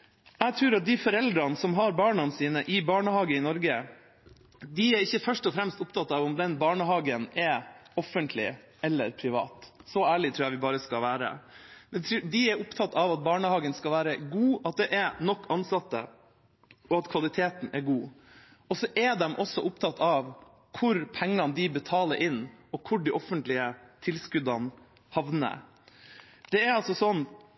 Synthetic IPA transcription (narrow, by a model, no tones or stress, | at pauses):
æɡt̪ʰɾʉːɾɑt̪̚d̪ɪfɔɾɛld̪ɾɑnsɔmɦɑɾbɑːɳɑnsiːnəʔɪbɑːɳəhɑːɡəɪnɔɾɡə | d̪ɪɛɾɪçːəfœʂʈɔfɾɛmst̪ʊpt̪ʰɑt̪ːɑʋʊmd̪ɛnbɑːɳəɦɑːɡənɛɔfənt̪ʰlɪ̰ | ɛlːə̰ɾpʰɾɪʋɑ̰ːt̪sɔæːɭɪt̪ʰɾʉːjæʋɪbɑːɾəskɑlʋæːɾə̰mɛd̪ɪɛɾʊpt̪ʰɑt̪ːɑʋɑt̪̚bɑːɳəhɑːɡənskɑlʋæːɾəɡuːɑt̪̚d̪ɛʔɛnɔkːɑnsɑt̪ːə̰ | ɔɑt̪kʰʋɑlɪt̪ʰeːt̪n̩ɛɾɡuː | ɔsɔʔɛd̪ɛmʔɔsːɔʔʊpt̪ʰɑt̪ːɑʋ | kʰʊɾpʰɛŋːɑnd̪ɪbət̪ʰɑːləɾʔɪnːɔkʰʊɖɪʔɔfːənt̪lɪət̪ʰɪlskʉd̪ɑn | hɑʋnə̰ | d̪̥ɛɛɾɑlsɔsɔnː